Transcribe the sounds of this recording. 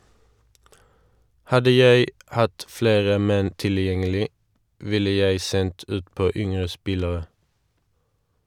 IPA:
ˈhɑdə ˈjæɪ ˈhɑt ˈfleːʁə ˈmɛn tɪlˈjɛŋəlɪ ˈʋɪlə ˈjæɪ ˈsɛnt ˈʉːtˌpoː ˈʏŋʁə ˈspɪləʁə

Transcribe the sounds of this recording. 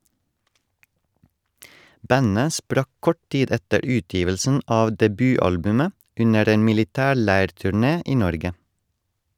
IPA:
ˈbænə ˈspɾɑk ˈkɔʈ ˈtiːd ˈɛtəɾ ˈʉːˌtjiːʋəlsn̩ ˈɑː dɛˈbyːˌɑlbʉmə ˈʉnəɾ ˈeːn mɪlɪˈtæːˌɭæɪɾtʉˌɳeː ˈʔiː ˈnɔɾɡə

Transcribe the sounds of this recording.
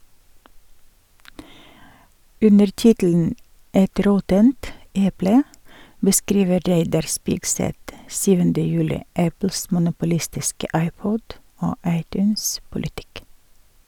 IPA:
ˈʉnəɾ ˈtɪtl̩n̩ ˈɛt ˈɾɔtənt ˈɛplə bəˈskɾiːʋə ˈɾeɪdɑɾ ˈspɪksɛt ˈsyːʋəndə ˈjʉːlɪ ˈæpl̩s mʊnʊpʊˈlɪstɪskə ˈɑɪˌpɔd ˈoː ˈɑɪˌtjʉːnspʊlɪˌtɪk

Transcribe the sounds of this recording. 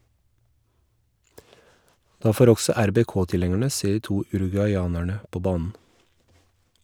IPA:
ˈdɑː ˈfoːɾ ˈɔɡsɔ æɾbɛˈkoːtɪˌlɛŋəɳə ˈseː ˈiː ˈtuː ʉɾʉɡʉɑɪˈɑːnæɳə ˈpoː ˈbɑːnn̩

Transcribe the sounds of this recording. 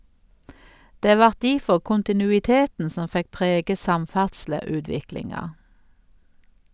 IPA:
ˈdeː ˈʋɑʁt ˈdiːfɔʁ kʊntɪnʉɪˈteːtn̩ ˈsɔm ˈfɛk ˈpʁeːɡə ˈsɑmˌfæʁdsləˌʉːdʋɪklɪŋɑ

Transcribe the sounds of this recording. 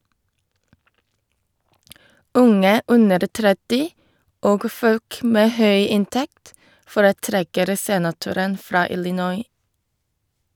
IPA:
ˈʊŋə ˈʉnəɾ ˈtɾɛtɪ ˈoːɡ ˈføːk ˈmeː ˈhœʏ ˈɪnˌtɛkt fɔɾəˈtɾɛkəɾ ˈseːnɑˌtʉɾən ˈfɹɑː ɪlɪˈnɔʏ

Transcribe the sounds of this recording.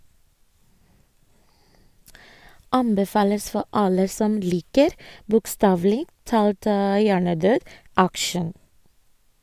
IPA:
ˈɑmbɛˌfɑːləs ˈfɔ ˈʔɑlə ˈsɔm ˈliːkəɾ bʊkˈstɑːʋl̩ɪ ˈtɑːlt ə ˈjæːɳəˌdøːd ˈækʃən

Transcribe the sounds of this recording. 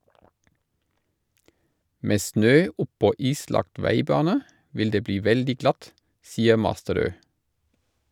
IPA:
ˈmeː ˈsnøː ˈʊpɔ ˈiːslɑkt ˈʋæɪˌbɑːnə ˈʋɪl ˈdeː ˈbliː ˈʋɛldɪ ˈɡlɑt ˈsiːə ˈmɑstəˌɾøː

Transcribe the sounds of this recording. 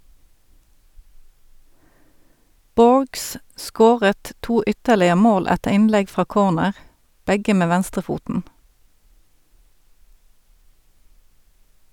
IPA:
ˈboːɹɡs ˈʔskoːʁət ˈtuː ˈʏtəʁlɪə ˈmoːl ˈætəʁ ˈɪnˌlɛɡ ˈfʁɑː ˈkoːʁnəʁ ˈbɛɡə ˈmeː ˈʋænstʁəˌfuːtn̩

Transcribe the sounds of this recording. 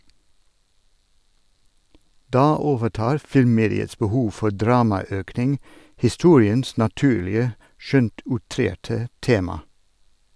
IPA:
ˈdɑː ˈoːʋəˌʈɑːɾ ˈfɪlmˌmeːdɪəs bəˈhuːʋ ˈfɔɾ ˈdɾɑːmɑˌøːknɪŋ hɪˈstuːɾɪəns nɑˈtʉːlɪə ˈʃœnt ʊˈtɾeːʈə ˈteːmɑ

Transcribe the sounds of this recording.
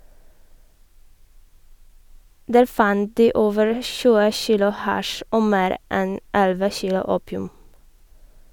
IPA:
ˈdæːɾ ˈfɑnt ˈdiː ˈoːʋəɹ ˈçʉːə ˈçiːlʊ ˈhɑʃ ˈʔoː ˈmeːɾ ˈʔɛn ˈɛlʋə ˈçiːlʊ ˈuːpɪʉm

